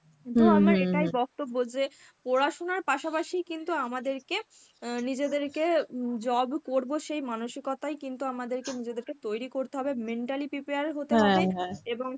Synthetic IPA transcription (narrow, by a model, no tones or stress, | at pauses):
it̪uamɾaeʈajbɔk̚t̪obːod͡ʑe | poɾaʃonaɾpaʃapaʃijkint̪uamad̪eɾke | nid͡ʑed̪eɾked͡ʑɔbkoɾboʃejmanoʃikɔt̪ajkint̪uamad̪eɾkenid͡ʑed̪eɾket̪ojɾikoɾt̪eɦɔbemeɳʈalipipiaɾɦot̪eɦɔbeeboŋ